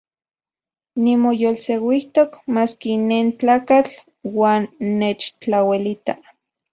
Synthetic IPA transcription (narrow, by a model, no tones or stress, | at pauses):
nimojolsewiht̪okmaːskineːnt͡ɬaːkat͡ɬ | waːnːet͡ʃt͡ɬawelit̪a